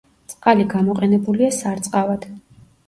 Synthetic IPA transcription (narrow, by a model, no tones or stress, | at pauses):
t̪sʼqʼaliɡamɔqʼɛnɛbuliasaɾt̪sʼqʼavad̪̥